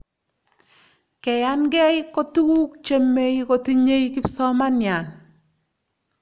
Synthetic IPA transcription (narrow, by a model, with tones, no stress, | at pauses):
kɛ˨ja˦nɡɛ˦jko˦tu˦ku˦kt͡ʃe˦mːe˦ko˨ti˦ɲe˦i˦kɪ˦psɔ˦ma˦nja˨n